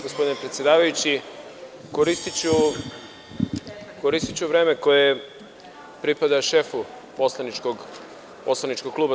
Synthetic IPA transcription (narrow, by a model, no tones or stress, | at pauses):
ɡospo̞d̪inepɾet̪sʲjed̪aːʋajut͡ɕi | koɾist̪it͡ɕu | ko̞ɾist̪it͡ɕuʋɾe̞ːme̞koje | pɾipad̪aʃe̞fu | po̞slˠanit͡ʃkoɡ | poslˠanit͡ʃkoɡ̚kluːba